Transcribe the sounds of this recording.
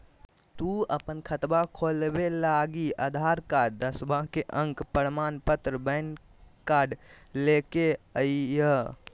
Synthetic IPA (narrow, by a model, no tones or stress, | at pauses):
t̪uəpənkʰət̪bakʰolbelaɡiad̪ʱaɾkaɖd̪əsbãkeʔə̃ŋkpəɾmanpət̪ɾəbən | kaɖlekeəjjə